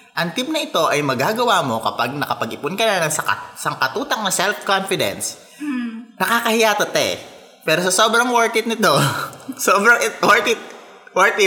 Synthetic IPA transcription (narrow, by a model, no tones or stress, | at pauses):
ʔɐŋt̪imnɐʔɪt̪o̞ʔɐjmɐɡaːɡɐwaːmo̞kɐpaɡ̚nɐkɐpɐɡʔɪpʊnkɐnɐnɐŋsɐkɐ̰sɐŋkɐt̪uːt̪ɐŋ̚nɐsɛlfkonfɪd̪ɛ̰ns | nɐkaːkɐhɪjaːt̪ɐt̪ɐɛ̰ | pɛːɾosɐsoːbɾɐŋwoɹt̪ɪt̪̚nɪt̪o̞soːbɾɐŋʔɪt̪woɹt̪ɪt̪̚ | wɛɹt̪ɪ